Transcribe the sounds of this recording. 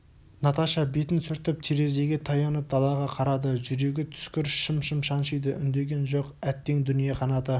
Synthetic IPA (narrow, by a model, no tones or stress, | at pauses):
nɑt̪ɑʃɑbet̪ɪnsʏɾt̪ɪp̚t̪ʰeɾe̞ze̞ɡʲe̞t̪ʰɑjɑnəp̚d̪ɑlˠɑʁɑqʰɑɾɑd̪əʒʏɾe̞ɡʲɪt̪ʰʏ̥skʲɪɾʃəmʃəmʃɑnʃəjd̪əʔʏnd̪e̞ɡʲe̞nʒo̞qæt̪ːe̞ŋd̪ʏnijeqʰɑnɑt̪ə